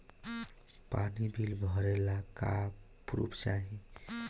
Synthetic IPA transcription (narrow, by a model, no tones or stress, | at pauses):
panibʱilbʱɔɾelaka | pɾṵpt͡ʃaɦi